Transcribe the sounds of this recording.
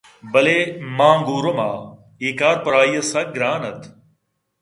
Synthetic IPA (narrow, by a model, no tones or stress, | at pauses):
bɐlemãːŋɡuːɾomaː | iːkaːɾpɐɾaːiːɐsɐɡɾaːnɐt̪ʰ